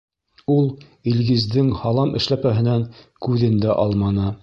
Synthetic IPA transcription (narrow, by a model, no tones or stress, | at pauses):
ulˠ | ilɡɘ̆zd̪ɘŋhɑlˠɑmɘ̆ʃlæpæɦɘ̆næŋ | kʉðɘnd̪æʔɑlˠmɑnɤ